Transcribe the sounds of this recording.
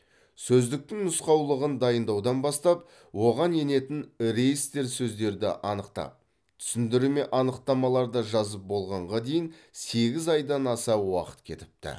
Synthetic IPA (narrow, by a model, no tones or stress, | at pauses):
sɵzd̪ɪk̚t̪ɪŋnʊsqɑwlˠəʁənd̪ɑjənd̪ɑwd̪ɑnbɑst̪ɑp | wo̞ʁɑnje̞ne̞t̪ɪnɾe̞jst̪e̞ɾsɵzd̪e̞ɾd̪ɪ̰ʔɑnəqt̪ɑ̰p̚ | tt̪ʰʏ̥sɪnd̪ɪɾume̞ʔɑnəqt̪ɑmɑlˠɑɾd̪ɑʒɑzəp̚bo̞lˠʁɑɴʁɑd̪e̞jɪnse̞ɡʲɪzɑjd̪ɑnɑsɑwɑ̰qə̥t̪̚kʲʰe̞̰t̪ɪ̥p̚t̪ɪ̰